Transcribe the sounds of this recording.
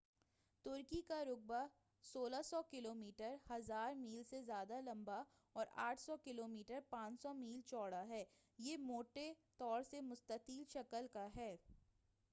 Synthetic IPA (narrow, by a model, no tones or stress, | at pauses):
t̪ʊɾkikaɾʊɡ̚ba | soːlasɔkɪloːmiːʈəɾhɐzaːɾmiːlsezjaːd̪alɐ̃mba | ɔːɾa̰ːʈʰsɔkɪloːmiːʈəɾpãːt͡ʃsɔmiːlt͡ʃɔːɽaɦɛː | jeːmoːʈet̪ɔːɾsemʊst̪əkiːlʃɐkəlkaɦɛː